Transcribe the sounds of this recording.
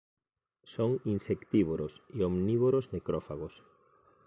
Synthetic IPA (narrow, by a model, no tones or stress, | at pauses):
soŋinsekt̪iβoɾoseomniβoɾoznekɾɔfaɣos